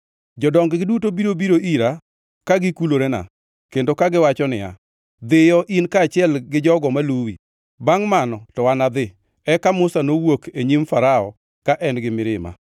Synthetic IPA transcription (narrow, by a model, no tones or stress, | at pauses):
d͡ʒɔdɔŋɡɡɪdutobiɾobiɾoʔiɾa | kaɡɪkuloɾena̰ | kendokaɡɪwat͡ʃɔnɪja̰ | d̪ɪjɔʔinkaːt͡ʃɪɛlɡɪd͡ʒɔɡɔmaluwḭ | baŋmanɔtɔwanad̪ɪ | ɛkamʊsanowokeɲimfaɾaɔ̰ | kaʔɛnɡɪmɪɾɪma̰